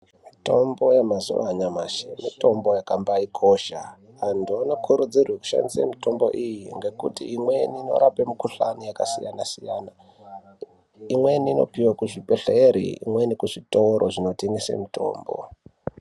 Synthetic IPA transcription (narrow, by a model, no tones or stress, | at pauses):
mito̞mbo̞jemazṵʋa̰ɲamaʃemito̞mbo̞jakambaikʰo̞ʃa̰ | andonokʰuɾud͡zirweku̥ʃa̰ndisḛmito̞mbo̞̰ʔijiŋɡe̞kutḭːmweniːno̞̰ɾape̞mukuɬanijakasijanasijana | imweniːno̞̰piwakuʐipeɬeeɾḭḭmwe̞nikuʐito̞ɾʔoʐino̞tiŋɡisḛmito̞̰ːmbo̰